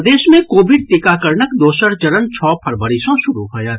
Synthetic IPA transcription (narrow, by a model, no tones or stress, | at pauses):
d̪eːʃmẽkoːʋɪɖ̚t̪ɪkaːkəɾɳəkd̪oːʃəɾt͡ʃɐɾənt͡ʃʰɔːpʰɐɾbəɾɪʃõʃʊɾuɦoːjaː